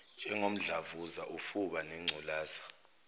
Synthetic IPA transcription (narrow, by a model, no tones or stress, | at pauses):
d͡ʒʼɛŋom̩ɮavuzaʔufuɓanɛŋ͡ǀʱulaːzḁ